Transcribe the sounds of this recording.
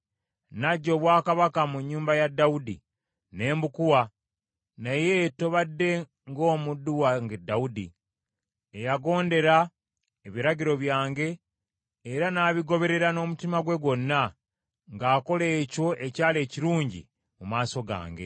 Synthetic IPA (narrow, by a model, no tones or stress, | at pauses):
naɟːo̞ːβwaːkaβakamuɲːuːmbajadːaudḭ | ne̞ːmbukuwa | najeto̞βadːe̞ | ŋɡo̞ːmudːuwaŋɡedːaudḭ | ejaɡo̞ːnde̞ɾa | eβiɾaɟiɾo̞βjaːŋɡe̞ː | ɾanaːβiɡo̞βe̞ɾe̞ɾano̞ːmutimaɡwe̞ɡo̞nːa | ŋɡaːko̞le̞ːco̞ʔe̞caːle̞ːciɾuːɲɟḭ | mumaːso̞ɡa̰ːŋɡe̞̰